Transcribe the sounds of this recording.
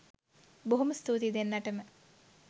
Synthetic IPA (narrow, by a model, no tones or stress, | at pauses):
boɦuməst̪uːt̪id̪enːɐʈəmə